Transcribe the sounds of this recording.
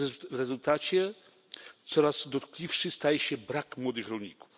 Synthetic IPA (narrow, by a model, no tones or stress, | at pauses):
vɾɛzult̪at͡ɕɛ | t̪sɔɾaz̥d̪ɔt̪klʲifʂɘst̪ajɛɕɛbɾakmwɔd̪ɨxɾɔlɲiku̥f